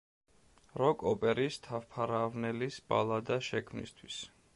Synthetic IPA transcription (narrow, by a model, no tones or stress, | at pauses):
ɾɔkʼɔpʼɛɾist̪ʰafpʰaɾavnɛlisb̥alˠad̪aʃɛkʰmnḭst̪ʰwis